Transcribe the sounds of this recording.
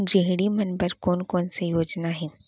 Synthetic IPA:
d͡ʒeɦɽimɐnbəɾkɔːnkɔːnsejoːd͡ʒnaɦɛː

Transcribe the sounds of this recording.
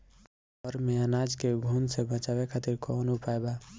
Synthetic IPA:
ɔɾmeanad͡ʒkeɡʱunsebʱə̃t͡ʃabekʰat̪iɾkɔnupaeba

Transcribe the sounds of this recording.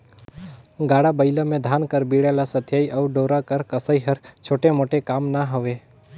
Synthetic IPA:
ɡaːɽabəɪləmẽd̪ʱaːnkəɾbiɽalasət̪ʰjaːiʔəːɖoːɾakəɾkəsəiɦəɾt͡ʃʰoːʈemoːʈekaːmnaɦəʋe

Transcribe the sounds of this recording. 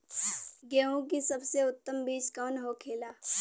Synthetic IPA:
ɡɛːõk̬isɐbseʊt̪ːəmbiːt͡ʃkɔːnɦokʰeːlaː

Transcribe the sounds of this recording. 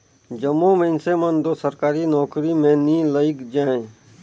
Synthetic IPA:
d͡ʒəmːomə̃ɪnsemənd̪osəɾkaːɾinɔːkɾimẽnĩləɪkd͡ʒaːẽ

